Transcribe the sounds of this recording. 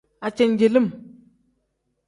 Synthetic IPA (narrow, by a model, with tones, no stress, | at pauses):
a˨t͡ʃe˨nd͡ʒe˨lə˦˨m